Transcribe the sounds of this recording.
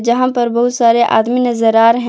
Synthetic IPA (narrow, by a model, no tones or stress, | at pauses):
d͡ʒɐɦãpɐɾbɐɦʊt̪saːɾeʔa̰ːd̪minɐzəɾaːɾɦɛ̃